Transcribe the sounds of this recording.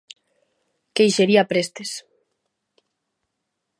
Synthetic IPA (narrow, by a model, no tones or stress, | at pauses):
kejʃeɾiapɾest̪es